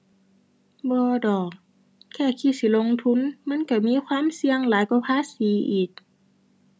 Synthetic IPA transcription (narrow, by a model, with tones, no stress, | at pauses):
bɔː˧˦dɔː˨˩k̚ | kʰːɛː˧˩kʰiː˧˩si˧˦lo˧ŋt̪ʰu˧˥˨nma˧˥˨nka˧˩miː˧˥˨xʰwaː˧˥˨msi˧əŋlaː˨˦jkɔː˧˩˦pʰaː˧˥˨siː˨˦ʔiː˨˩k̚